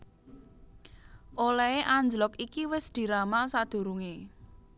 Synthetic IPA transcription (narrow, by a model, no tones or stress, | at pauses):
ʔolɛeʔaɲd͡ʒlɔkikiwɪsd̪̥i̤ɾamasad̪̥ṳɾuŋe